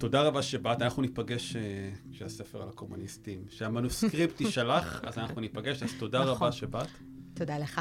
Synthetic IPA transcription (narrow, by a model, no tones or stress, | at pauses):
to̞daʁabaʃebatanaχnunipaɡe̞ʃeʃease̞feʁalakomunistimʃeamanuskʁiptiʃalaχa̰zanaχnunipaɡe̞ʃazto̞daʁabaʃebat | todaleχa